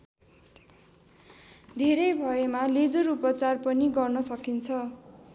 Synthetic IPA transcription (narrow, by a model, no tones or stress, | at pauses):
d̪ʱeɾʌjbʱʌemaled͡zoɾupʌt͡sarpʌniɡʌrnʌsʌkint͡sʰʌ